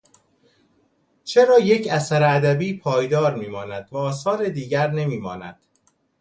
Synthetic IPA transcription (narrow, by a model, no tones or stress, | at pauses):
t͡ʃʰe̞ɾɒːje̞cʰæsæɾeæd̪æbiːpʰɒːjd̪ɒːɾmiːmɒːnæd̪̥væɒːsɒːɾed̪iːɟæɾne̞miːmɒ̰ːnæ̰d̪̥